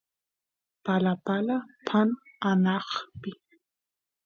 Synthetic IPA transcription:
palapalapʰananɑχpɪ

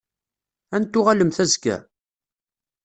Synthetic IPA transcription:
ænt̪ːʊʁaləmθæzɡæ̰

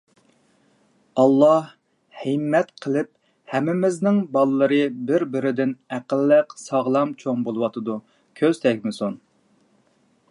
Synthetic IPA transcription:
ɑlˠːɑh | himːɛt̪qʰəlˠɪp̚ | hɛmːɪmɪznɪŋbɑlˠɨlˠɨɾɨbɪɾbɪɾɪd̪ɪnæqəlːəqsɑʁlˠɑmt͡ʃʰoŋbolˠɨwɑt̪ʰɨd̪u | kʲʰøz̥t̪ʰɛkʲmɪson

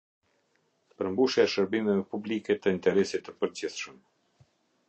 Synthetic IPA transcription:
pəɾmbuʃjaɛʃəɾbimɛvɛpublikɛt̪əint̪ɛɾɛsit̪ːəpəɾd͡ʑiθʃəm

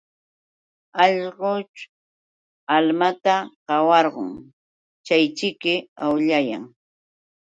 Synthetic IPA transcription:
ɑʎɢot͡ʃ | almat̪aqɑwɑɾɢʊ̰ŋ | t͡ʃajt͡ʃɪkɪawʎaja̰ŋ

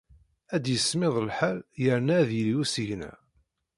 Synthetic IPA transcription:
æd̪jəsmɪðˤəlħæljəɾnæðjəlijusəʝnæ̰

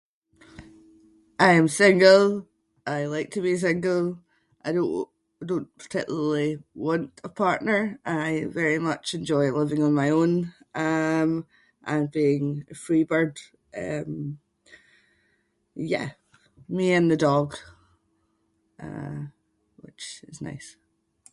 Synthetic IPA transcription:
ʔaɪə̃msɪ̃ŋɡəlˠ | aɪlˠaɪk̚tʰəbis̬ɪ̃ŋɡəl̩ˠ | ʔaɪɾõʔ | dõnpʰə̥˞tʰɪkjˠəl̩ˠiwɔ̃nʔəpʰaɹʔnə˞ʔaɪvɛɹimʌt͡ʃɛ̃nd͡ʒɔɪlˠɪvɪ̃ŋə̃nmaɪõn | ʔʌ̃m | ʔə̃nbiɪ̃ŋəfɹibə˞d̥ | ʔʌ̃m | jæ̰ | miə̃nðədɔɡ | ʔʌ̰ | wɪt͡ʃɪzna̰ɪs

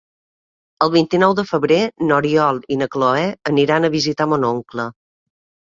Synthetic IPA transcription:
əlˠβint̪inɔwðəfəβɾenoɾiɔlˠinəkloɛəniɾanəβizit̪amonoŋklə

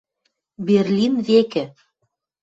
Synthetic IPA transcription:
beɾlʲinvekɘ

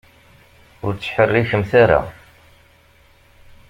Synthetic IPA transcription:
ʊɾt͡sːħərːiçəmθaɾa̰

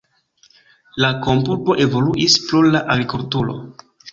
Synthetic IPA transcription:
lako̞mpuɾpo̞ʔe̞vo̞luʔisplulaʔaɡɾikultuɾo̰

